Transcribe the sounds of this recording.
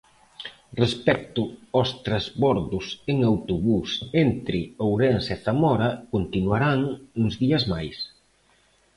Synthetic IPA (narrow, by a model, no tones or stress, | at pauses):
respɛk̚t̪ʊɔst̪ɾazβɔɾðʊseŋawt̪oβusent̪ɾɪowɾensɛθamɔɾakont̪inuaɾaŋuŋzðiɐzmajs